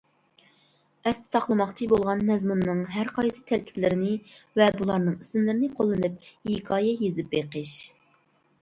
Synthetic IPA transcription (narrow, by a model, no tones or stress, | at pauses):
ɛst̪sɑχlˠɨmɑχt̪ʰɨbolˠʁɑnmɛzmunːɨŋɦæɾqʰɑjsɨt̪ʰæɾkʲʰi̥plɪɾɪnɪvɛbulˠɑɾnɨŋisɪmlɪɾɪnɨqʰolˠːɨnɨp̚hikʰɑːjɛjezɪp̚beqəʃ